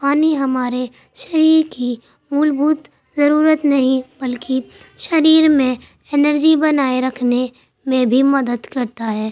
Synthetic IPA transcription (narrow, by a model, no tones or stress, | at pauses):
paːniɦɐmaːɾe | ʃɐɾiːɾki | mʊlbuːt̪ | zɐɾuːɾət̪nɐɦĩbɐlki | ʃɐɾiːɾmẽ | ɪnəɾd͡ʒibɐnaːeɾɐkʰne | mẽbʱimɐd̪əd̪kɐɾt̪aɦɛː